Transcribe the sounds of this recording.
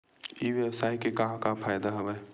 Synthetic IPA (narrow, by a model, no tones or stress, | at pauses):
iːʋjəwsaːikekɐɦãkapʰaːjd̪aɦɐʋəː